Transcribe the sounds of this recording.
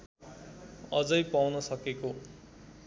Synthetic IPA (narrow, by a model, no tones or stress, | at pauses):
ʌd͡zʌjpawnʌsʌkeko